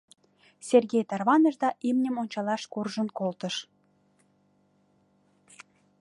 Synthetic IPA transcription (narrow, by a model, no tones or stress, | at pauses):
sʲerɣʲejt̪ɑrβɑnəʒd̪ɑʔimnʲəmonʲt͡ɕɑlɑʃkurʒənkolt̪əʃ